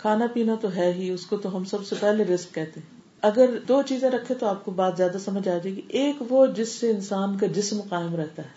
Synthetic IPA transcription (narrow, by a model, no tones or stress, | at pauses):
kʰaːnapiːnat̪oɦɛːɦiʊskot̪oɦɐmsɐbsepɛɦleɾɪsk̚kɛɦt̪eɦɛ̃ | ɐɡəɾd̪oːt͡ʃiːzẽɾɐkʰːẽt̪oaːp̚kobaːt̪zjaːd̪asɐməd͡ʒaːd͡ʒaeɡiʔeːkʋod͡ʒɪsːeɪnsaːnk̬ad͡ʒɪsmqaːɪmɾɛɦt̪aɦɛː